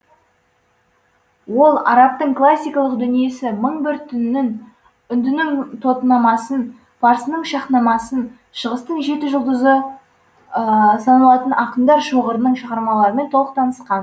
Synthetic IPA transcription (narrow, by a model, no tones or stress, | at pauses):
wo̞lˠɑ̰ɾɑp̚t̪əɴklˠasʲːijkɑlˠəqd̪ʏnije̞sɪməɴbɪɾt̪ʰːʏnnɪŋ | ʏnd̪ɪnɪŋt̪ʰo̞t̪ənɑmɑsən | fʰɑɾsənəɴʃɑχnɑmɑsən | ʃəʁəst̪əɴʒe̞t̪ɪʒʊlˠd̪əzə | sɑnɑlˠɑt̪ənʔɑqəmd̪ɑɾʃoʁəɾənəɴʃəʁɑɾmɑlˠɑɾəme̞nt̪ʰolˠəq̚t̪ʰɑnəsqɑn